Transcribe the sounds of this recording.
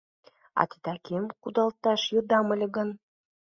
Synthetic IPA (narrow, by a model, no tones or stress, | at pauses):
ɑ̰t̪it̪ɑkʲʰemqud̪ɑlˠt̪ːɑʃjɤ̆d̪ɑmə̆lʲɘ̆ɡə̆n